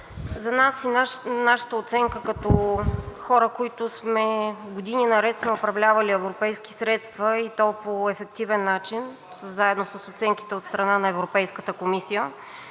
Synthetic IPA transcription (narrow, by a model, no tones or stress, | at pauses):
zɐnasinnaʃə̥t̪əot̪sɛŋkəkɐt̪ɔxɔɾəkoit̪ʊsmɛɡod̪ininɐɾɛt̪smɛopɾɐvlʲavɐliɛvɾopɛjski̥sɾɛt̪st̪vəit̪ɔpvoɛfɛk̚t̪ivɛnːat͡ʃin | szaɛd̪nosəsot̪sɛŋki̥t̪ɛot̪st̪ɾɐnanɐɛvɾopɛjskət̪əkomisijə